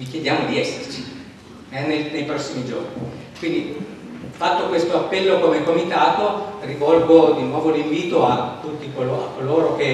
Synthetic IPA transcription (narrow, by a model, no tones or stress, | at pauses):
vikjed̪jaːmod̪iɛsːert͡ʃi | ɛnenejpɾɔsːimid͡ʒo̰rni | kwind̪i | fat̪ːokwest̪oapːɛlːokomekːomit̪aːt̪orivɔlɡod̪inwɔːvoliɱviːt̪oat̪ːut̪ːikoloa̰kːoloːɾoke